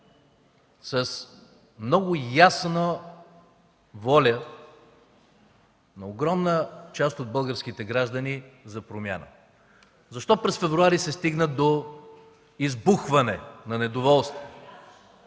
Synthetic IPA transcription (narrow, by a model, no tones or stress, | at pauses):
səs | mnɔɡʊjasnə | vɔlʲə | nɐoɡɾɔmnət͡ʃast̪od̪̚bɤlˠɡəɾsk̟it̪ɛɡɾaʒd̪ənizɐpɾomʲja̰nə̰ | zɐʃt̪ɔpɾɛsfɛvɾuaɾisɛst̪iɡnəd̪o | izbuxvɐnɛnɐnɛd̪ovɔlˠst̪vo